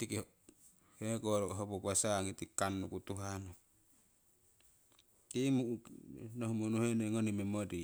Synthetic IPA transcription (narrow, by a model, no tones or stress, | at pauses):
t̪ike | hekoɾoɦopokasaŋit̪ikanːukut̪uɦano | timu | nohmunuheneŋonimemodi